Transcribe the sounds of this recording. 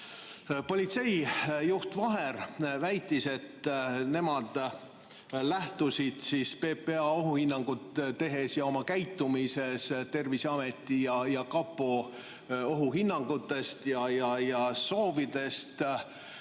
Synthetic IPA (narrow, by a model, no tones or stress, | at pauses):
po̞lʲit̪se̞jjuht̪vɑɦe̞rvæjt̪ˑːise̞t̪ːne̞mɑd̪̥ | læht̪usid̪̥siːspe̞ːpeɑo̞ɦuhinːɑŋɡ̥ut̪t̪e̞ɦe̞sjɑo̞mɑkæjt̪ːˑumise̞st̪e̞rvisɑme̞t̪ːˑijɑjɑkɑpːo | o̞ɦuɦinːɑŋɡut̪ːˑe̞st̪jɑjɑjɑso̞ːvid̪̥e̞st̪